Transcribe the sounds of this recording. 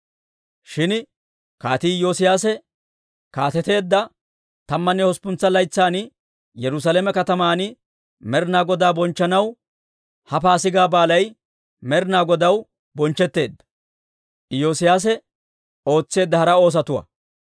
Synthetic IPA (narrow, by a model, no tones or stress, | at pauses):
ʃɪn | kaːt̪iːjoːsɪjaːsɛ | kaːt̪ɛt̪e̞ːd̪ːɐ | t̪ɐmːɐnːɛhɔspʊnt͡sːɐlɐjt͡sːaːnɪ | jɛɾʊs̬alemɛkɐt̪ɐmaːnɪ | mɛɾnaːɡɔd̪aːbɔnt͡ʃːɐnɐw | hɐfaːsɪɡaːbaːlɐj | mɛɾnaːɡɔd̪ɐw | bɔnt͡ʃːɛt̪ːe̞ːd̪ːɐ̥ | jo̞ːsɪjaːs̬ɛ | o̞ːt͡sːe̞ːd̪ːɐhɐɾɐo̞ːs̬ɐt̪ʊwɐ̰